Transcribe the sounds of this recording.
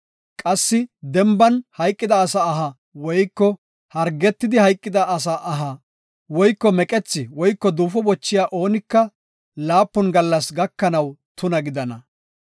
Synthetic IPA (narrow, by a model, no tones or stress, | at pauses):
kʼɐsːɪd̪ɛmbɐnhɐjkʼːɪd̪ɐːsaːɦɐ | wɔjkːɔ | hɐɾɡɛt̪ːɪd̪ɪhɐjkʼːɪd̪ɐɐsaːʔɐɦɐ | wɔjkːɔmɛkʼɛt͡sːɪwɔjkːɔd̪uːfɔbɔt͡ʃːɪjaːʔo̞ːnɪkːɐ | laːpːɔnɡɐlːɐsɡɐkːɐnɐwt̪ʊnɐɡɪd̪ɐnɐ